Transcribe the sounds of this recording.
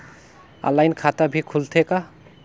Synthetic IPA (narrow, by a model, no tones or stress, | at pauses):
a̰lajnkʰat̪abʱikʰult̪ʰeka